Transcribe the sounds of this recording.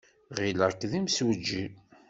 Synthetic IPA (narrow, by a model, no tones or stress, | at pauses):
ʁilækːðimswəd͡ʒːi